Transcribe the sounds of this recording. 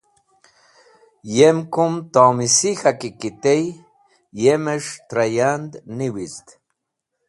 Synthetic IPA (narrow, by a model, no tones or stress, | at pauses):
jemkumt̪oːmisixakikit̪ej | jemeʂt̪ɾajand̪niwizt̪